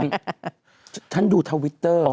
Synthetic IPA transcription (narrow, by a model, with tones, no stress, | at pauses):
n | t̪ʰa˧˥˩nduː˨˩t̪ʰa˧wi˦˥t̪ːɤː˧˩˧